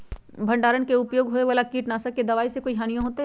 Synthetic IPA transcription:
bʱɐ̃ɳɖaːɾənkeʊpjoːɡɦoːeʋaːlakiːʈnaːsɐkːed̪ɐʋaːisekoːiɦaːnijõɦoːt̪eɦ

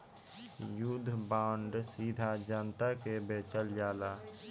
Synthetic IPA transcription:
jud̪ʱːbãːɳɖsiːd̪ʱad͡ʒənt̪akebeːt͡ʃəld͡ʒaːlaː

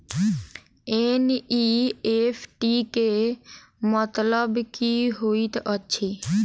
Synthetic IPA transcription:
eniepʰʈike | mət̪ləbkiɦoit̪ətːʃʰi

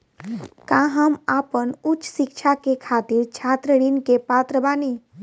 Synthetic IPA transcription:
kãɦəmaːpənʊsɪkt͡ʃʰakekʰaːt̪iɾt͡ʃʰaːt̪ɾəɽinkepaːt̪ɾəbaːni

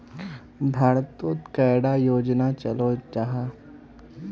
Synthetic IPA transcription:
bʱaɾt̪ot̪kəjɽajod͡ʑnat͡ɕəlod͡ʒaɦa

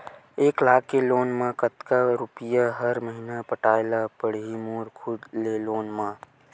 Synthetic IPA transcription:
eːklaːkːeloːnmẽkət̪kaɾupijaɦəɾməɦinapəʈaːelapəɽ̤ɦimuɾkʰud̪leloːnmã

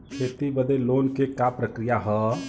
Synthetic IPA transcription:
kʰet̪ibəd̪eloːnkekapɾəkɾijaɦə

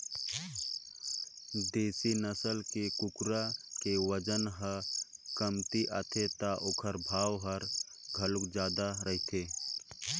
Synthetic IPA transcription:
d̪eːsinəsəlkekʊkɾakeʋəd͡ʒənɦəkəmt̪iʔat̪ʰet̪aʔokʰəɾbʱaːwɦəɾ | ɡʱəlʊkd͡ʒaːd̪aɾəɦit̪ʰeː

